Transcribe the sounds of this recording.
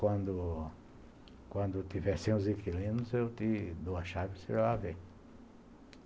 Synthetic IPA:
kwɐ̃nd̪ʊ | kwɐ̃nd̪ʊt̪ivɛsẽʊ̃zikilĩnʊzewt̪ɪd̪oɐʃavɪseʒaavẽj̃

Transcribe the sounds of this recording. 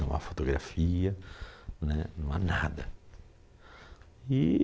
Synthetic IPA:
ɐ̃w̃a̰fot̪oɡɾa̰fiɐnɛnɐ̃w̃anad̪ɐ | i

